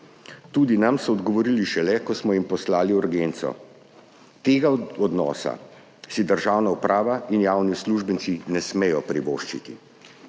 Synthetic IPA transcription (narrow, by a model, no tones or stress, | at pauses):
t̪uːd̪inamsɔːd̪ɡɔʋɔɾiliʃɛlɛkɔsmɔjimpɔslaːliuɾɡeːnt̪sɔ̰ | t̪eːɡaɔd̪nɔ̰ːsa̰ | sid̪əɾʒaːwnaupɾʔaːʋainjaːwnisluʒbənt̪sinɛsmejɔpɾiʋo̰ːʃt͡ʃit̪ḭ